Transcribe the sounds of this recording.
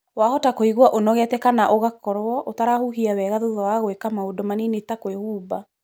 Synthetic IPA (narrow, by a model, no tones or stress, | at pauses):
wahɔtakoiɣwaʔonɔɣɛtɛkanaʔoɣakɔɾwɔʔotaɾahuɦiawɛɣaðoðɔwaɣwekamaodɔmaninetakoehuːba